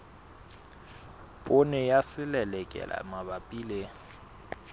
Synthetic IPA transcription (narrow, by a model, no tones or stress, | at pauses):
pʼʊnɛjasɪlɛlɛkʼɛ̰la̰mabapʼiːle